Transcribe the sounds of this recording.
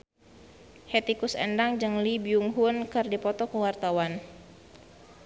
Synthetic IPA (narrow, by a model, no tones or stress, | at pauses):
het̪ikusɛ̰ndaŋd͡ʒɨŋlibjuŋɦunkɨrdipɔt̪ɔkəwart̪awan